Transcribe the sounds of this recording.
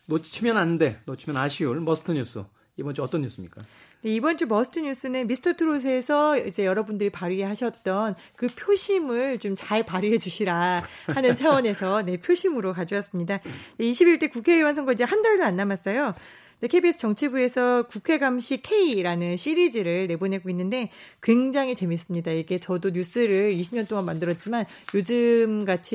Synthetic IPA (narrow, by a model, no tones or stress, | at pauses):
not͡ɕʰimjʌnanːɯnde̞not͡ɕʰimjʌnaɕʰiuɭmʌsʰɯ̥tʰɯɲus͈ʰɯ̰ | ibʌnt͡ɕʰuʌt͈ʌnɲːus͈ɯmɲik͈ane̞ibʌnt͡ɕʰumʌsʰɯ̥tʰɯɲus͈ɯnɯnbisʰtʰʌtʰɯɾos̬ʰe̞ːsʰʌid͡ʑe̞jʌɾʌbundɯɾipaɾieɦaɕʰʌt̚t͈ʌnkɯpʰjoɕʰimɯɭt͡ɕomt͡ɕaɭpaɾiɦed͡ʑuɕʰiɾahanɯnt͡ɕʰawwʌne̞sʰʌne̞pʰjoɕʰimɯɾokad͡ʑias͈ɯmɲidad͡ʑeiɕʰibiɭt͈e̞kukʰe̞ewans̬ʰʌŋɡʌid͡ʑe̞handaɭdoanːamas͈ʌjo | d͡ʑekʰebies͈ʰɯ̥t͡ɕʌŋt͡ɕʰibue̞sʰʌkukʰe̞ɡamɕʰikʰe̞iɾanɯnɕʰiɾid͡ʑiɾɯɭne̞bonɦe̞ɡoinːɯnde̞ | kwe̞ŋd͡ʑaŋɦit͡ɕe̞mis͈ɯmɲidaiɡe̞t͡ɕʌdoɲus͈ɯɾɯɭiɕʰimɲʌnt͈oŋanmandɯɾʌt̚t͡ɕ͈iman | jod͡ʑɯmɡat͡ɕʰi